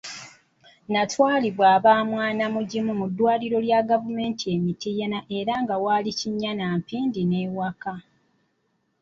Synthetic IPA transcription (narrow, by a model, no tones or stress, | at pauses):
natwaːliβwaːβaːmwaːnamuɟimumudːwaːliɾo̞ljaɡavume̞ːntʰie̞mitiːjanaʔe̞ɾaŋɡawaːliciɲːanaːmpiːndineːwaka